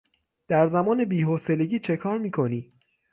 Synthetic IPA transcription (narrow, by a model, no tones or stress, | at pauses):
d̪̥æɾzæmɒːne̞biːɦoːse̞le̞ɟiːt͡ʃʰe̞kʰɒːɾmiːkʰo̞niː